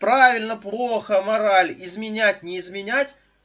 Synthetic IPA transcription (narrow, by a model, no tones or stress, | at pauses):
pɾavʲɪlʲnəplˠoxəmɐɾalʲɪzmʲɪnʲætʲnʲɪːzmʲɪnʲætʲ